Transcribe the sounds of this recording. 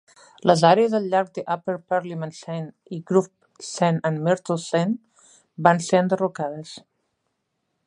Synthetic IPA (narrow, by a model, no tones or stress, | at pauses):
ləzaɾeəzəlʎːaɾk̚d̪əʔapelpaɾlimãnsɛn | iɡɾup | sɛnənmɛɾt̪olˠsɛn | banseənd̪ərukaðəs